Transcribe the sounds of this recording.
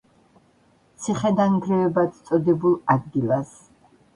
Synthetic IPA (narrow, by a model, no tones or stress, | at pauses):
t̪sʰiχɛd̪anɡɾɛvɛbat̪t̪sʼɔd̪ɛbulˠad̪̚ɡilas